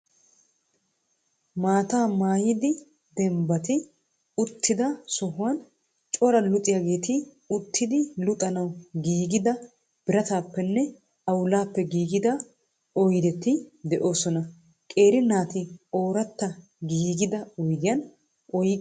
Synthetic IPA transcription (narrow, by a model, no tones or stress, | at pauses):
maːt̪aːmaːjɪd̪ɪ | d̪ɛmbɐt̪ɪ | ʊt̪ʰːɪd̪ɐsɔɦʊwɐn | t͡ʃʼɔɾɐlʊt̪ʼːɪjaːɡe̞ːt̪ɪ | ʊt̪ʰːɪd̪ɪlʊt̪ʼɐnɐwɡiːɡɪd̪ɐ | b̥ɪɾɐt̪aːpːɛnːɛ | ɐwʊlaːpːɛɡiːɡɪd̪ɐ | ɔjd̪ɛt̪ːɪd̪ɛʔo̞ːsɔnɐ | kʼe̞ːɾɪnaːt̪ɪo̞ːɾɐt̪ːɐ | ɡiːɡɪd̪ɐɔjd̪ɪjɐn | ʔɔjɪ